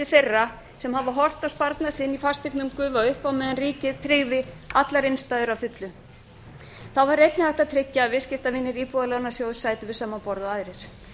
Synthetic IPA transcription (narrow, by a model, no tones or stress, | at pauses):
ɪθejrːa | sɛmhavaɦɔr̥t̪awspaɾt̪nasɪnːifḁst̪ɪknʏmkʏːvaʏhpawmɛːðanriːcɪðt̪ʰɾɪɣðɪat̪laɾejnst̪ajðʏɾawfʏt̪lʏ | θawvaɾːejt̪nɪlaht̪at̪ʰɾɪcːaːvɪscɪft̪avɪnːɪɾiːpuðalɛɣnasjoːwðsaːjt̪ʏvɪðsaːmːapɔɾðɔaðɾɪɾ̥